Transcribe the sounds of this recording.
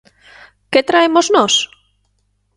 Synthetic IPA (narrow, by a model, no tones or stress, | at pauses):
ket̪ɾaemoznos